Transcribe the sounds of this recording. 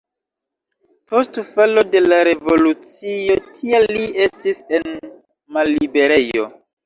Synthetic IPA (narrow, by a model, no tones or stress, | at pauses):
po̞stfalo̞de̞laɾe̞vo̞lut͡sijo̞tʰialːie̞stise̞n | malːibe̞ɾe̞jo̞̰